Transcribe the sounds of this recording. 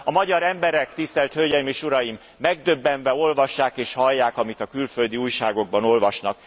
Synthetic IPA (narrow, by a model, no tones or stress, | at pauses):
ɒmɒɟɒɾɛmbɛɾɛkt̪ist̪ɛlt̪hølɟɛjimeːʃuɾɒjimːɛɡ̚d̪ø̞bːɛnvɛo̞lvɒʃːaːkeːʃhɒlːaːkɒmit̪ɒkylfø̞ld̪iuːjʃaːɡo̞ɡ̚bɒno̞lvɒʃnɒ̰k̚